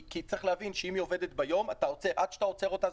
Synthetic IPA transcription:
kit͡sʁeχlehavinʃeimio̞ve̞d̪et̪bajo̞matao̞t͡seʔad̥̪ʃḁtao̞t͡se̞ʁo̞t̪a

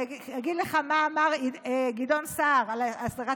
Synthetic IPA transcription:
aɡid̪leχamaːmaʁiɡido̞nsaʁalasdaʁa

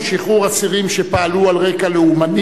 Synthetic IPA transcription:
ʃiχuʁasiʁimʃepaalualʁekaleumadi

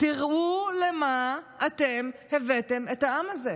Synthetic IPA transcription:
tiʁulemaːtemhevetemethaamaze

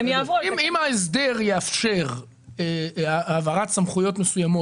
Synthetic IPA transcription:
mjavoimimaes̬d̪e̞ʁjeafʃe̞ʁ | eavaʁatsamχujo̞tme̞sujamo̞

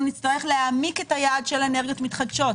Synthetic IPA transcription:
nit͡staʁe̞χleaːmike̞tajaːdʃeleneʁɡjo̞tmit̪χadʃo̞t

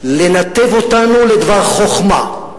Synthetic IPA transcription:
lenat̪evot̪anuled̪vaʁχo̞χma

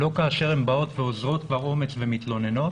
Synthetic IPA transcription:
lo̞kaːʃe̞ʁembao̞t̪veozʁo̞t̪vaʁo̞me̞t͡svemit̪lo̞ne̞no

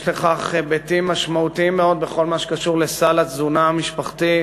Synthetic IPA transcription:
ʃleχaχbet̪imːaʃmaut̪iimːeo̞d̪̚be̞χo̞lmaʃe̥kaʃuʁlesalazunaamiʃpaχt̪i

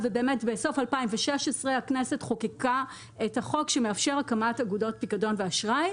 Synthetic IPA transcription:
vebe̞ːmetbeso̞falpaimveʃeʃesʁeaknese̞tχo̞kika | ethaχo̞kʃe̞meafʃeʁakamataɡudo̞t̚pikado̞nveaʃʁaj

